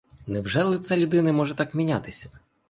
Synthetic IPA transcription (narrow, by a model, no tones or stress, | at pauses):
nɛwʒɛlˠɪt̪sɛlʲʊd̪ɪnɐmɔʒɛt̪ɑkmʲinʲat̪ɪsʲɐ̥